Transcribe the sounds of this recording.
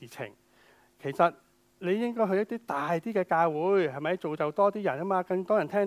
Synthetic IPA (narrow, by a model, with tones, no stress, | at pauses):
iː˨t͡sʰɪ̰˨˩ŋ | kʰe˨˩jsɐ˨t̚ | le˨˧jɪ˥ŋkɔː˥jɦɵ˧jɐ˥t̪iː˥t̪aː˨˩jt̪iː˥kɛː˧kaː˧wuː˨˧˥jhɐ˨jmɐ˨˧˥jt͡so˨wt͡sɐ˨wt̪ɔː˥t̪iː˥jɐ˨˩nkɐ˥maː˧kɐ˧ŋt̪ɔː˥jɐ˨˩nt̪ʰɛː˥